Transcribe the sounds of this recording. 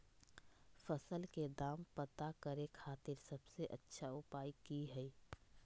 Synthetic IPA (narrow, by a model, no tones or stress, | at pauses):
fəsəlked̪aːmpət̪akəɾekʰaːt̪ɪɾsəbseʔə̰tːʃʰaʊpaːjkiɦɛi